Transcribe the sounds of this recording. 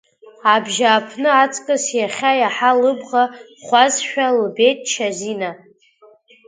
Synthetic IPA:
abʒaːpʰnɨat͡sʼkʼɨsjaχʲajaħalɨbʁa | χʷazʃᶣalube̞tʼt͡ʃʰazina

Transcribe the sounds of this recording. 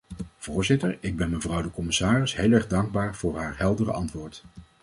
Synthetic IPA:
v̥ʊːɹzɪtəɹɪɡ̚bɛnməvrʌwdəkɔmɪsaːrɪsɦejlˠɛɹχdɑŋɡ̚baːɹv̥ʊːɹɦaːɹɦɛlˠdərə̰ɑntʋʊːɹt

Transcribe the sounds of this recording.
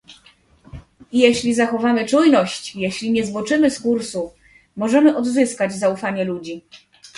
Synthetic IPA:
ijɛɕlʲizaxɔvamɘt͡ʂujnɔɕt͡ɕjeɕlʲiɲɛzvwɔt͡ʂɘmɘskuɾsu | mɔʐɛmɘʔɔd̪zɘskad͡ʑzaufaɲɛlud͡ʑi

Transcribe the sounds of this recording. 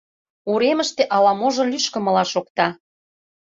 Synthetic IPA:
uɾemə̆ʃt̪eʔɑlɑmoʒɤ̆lʲyʃkə̆mɤ̆lɑʃok̚t̪ɑ

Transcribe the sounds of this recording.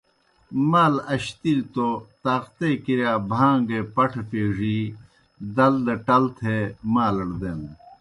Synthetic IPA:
maːlɐɕt̪ilt̪ot̪aːqt̪eːkiɾjaːbʱãːŋɡepɐʈʰpeːʐiː | d̪ɐld̪eʈɐlt̪ʰemaːlɐɽd̪eːn

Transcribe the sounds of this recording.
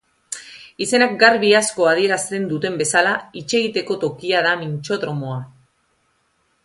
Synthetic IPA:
ise̞nak̚ɡaɾβiasko̞að̞ie̞ɾast̪e̞nd̪ut̪e̞mbe̞salait͡ʃe̞ɣit̪e̞ko̞t̪o̞kiað̞amint͡ʃo̞ðɾo̞moa

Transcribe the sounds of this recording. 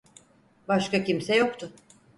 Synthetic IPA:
baʃkacimsɛjo̞kt̪ʰʊ

